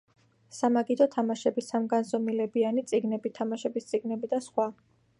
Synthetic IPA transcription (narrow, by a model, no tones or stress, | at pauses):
samaɡid̪ɔt̪ʰamaʃɛbisamɡanzɔmilɛbianit̪sʼiɡnɛbit̪ʰamaʃɛbist̪sʼiɡnɛbid̪asχwa